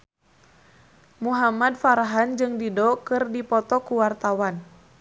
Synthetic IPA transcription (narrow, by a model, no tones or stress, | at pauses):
muɦamadfaɾaɦand͡ʒɨŋdidɔkɨrdipɔt̪ɔkuwart̪awan